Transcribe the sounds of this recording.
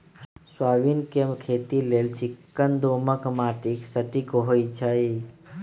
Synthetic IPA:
swaʋinkemkʰet̪ilelt͡ʃikːənd̪oməkmaʈiksəʈikoɦoit͡ʃʰəj

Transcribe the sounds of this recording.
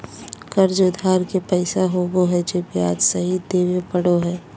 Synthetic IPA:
kəɾd͡ʒʊd̪ʱaːɾkepɛɪsaɦoboɦɛd͡ʒebiaːd͡ʒsəɦid̪eːwepəɽoɦɛː

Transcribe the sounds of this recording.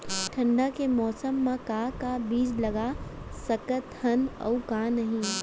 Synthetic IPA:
ʈʰə̃ɳɖakemɔːsəmːãkakabiːd͡ʒlɐɡasɐkət̪hənə̰ʊkanɐɦĩ

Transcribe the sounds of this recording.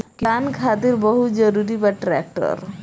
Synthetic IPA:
kiankʰat̪iɾbɔɦut̪d͡ʒəɾuɾibaʈɾɛk̚ʈɔ̰ɾ

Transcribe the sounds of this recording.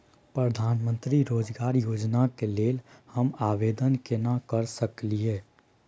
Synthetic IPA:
pɾəd̪ʱaːnmə̃nt̪ɾiɾoːd͡ʒɡaːɾjoːd͡ʒnakeleːlhəmaːʋeːd̪ənkenakəɾsəklieː

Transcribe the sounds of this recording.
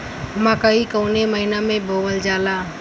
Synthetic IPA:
makəikəʊneməɦinamẽbʱoːʋəld͡ʒaːlaː

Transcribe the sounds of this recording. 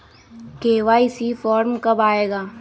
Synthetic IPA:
keːʋaːɪsifɔːɾmkɐbaːeːɡaː

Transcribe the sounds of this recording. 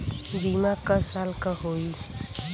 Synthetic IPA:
bimakəsalkʌɦoi

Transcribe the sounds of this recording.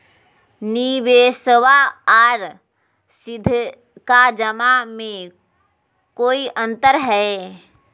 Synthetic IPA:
niʋeːsəwaaːɾ | sɪd̪ʱ | kad͡ʒəmamẽ | koːiʔə̃nt̪əɾɦɛe

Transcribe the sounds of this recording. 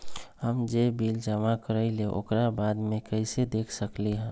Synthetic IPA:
həmd͡ʒebiːld͡ʒəmakəɾəɪleʔo̰kɾabaːd̪mẽkəɪsed̪eːkʰsəkleɦɛ̃ː

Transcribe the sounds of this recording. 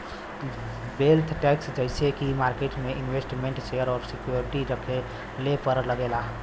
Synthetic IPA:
belt̪ʰʈɛksd͡ʒəɪsekimaːɾkeʈmeʔinʋesʈmeɳʈsejəɾɔːɾsikjoɾiʈiɾəkʰe | lepəɾləɡela

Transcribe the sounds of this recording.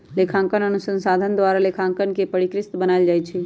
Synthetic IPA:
lekʰãŋkənənusənsad̪ʱənd̪waɾalekʰãŋkənkepəɽikɾɪst̪bənajld͡ʒajt͡ʃʰɛ

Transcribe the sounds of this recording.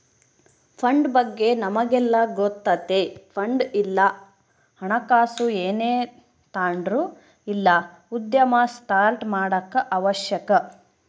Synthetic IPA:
pʰɐɳɖbɐɡːe̞nɐmɐɡɛlːɐɡot̪ːɐt̪ːepʰɐɳɖilːɐ | hɐɳɐkaːsueːneː | t̪aːɳɖɾu | ilːɐ | ud̪jɐmɐsʈaːɾʈmaːɽɐkːɐʔɐʋɐʃjɐkɐ

